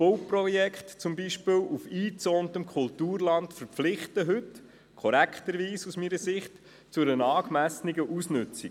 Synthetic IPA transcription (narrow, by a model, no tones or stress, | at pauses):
powprɔjɛkχtt͡sʊmbiʃpɪːlʔufiːt͡soːntəmkʰʊltuːɾlɑntfəɾpflɪχtəɦʉt | kʰɔɾækχtəɾʋiːsusmiːɾəsɪχt | t͡sʊɾənɑːkmæsniɡəʔusnʉt͡si